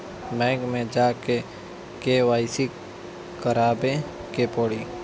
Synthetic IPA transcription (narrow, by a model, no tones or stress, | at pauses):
mɛ̃ːɡmẽd͡ʒaːke | keʋaːɪsi | kəɾaːbekepɔɽiː